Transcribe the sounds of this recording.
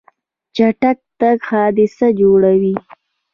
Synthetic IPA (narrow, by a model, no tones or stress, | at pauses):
t͡ʃaʈak̚t̪aɡxɑːd̪ɪsad͡ʒoɽawi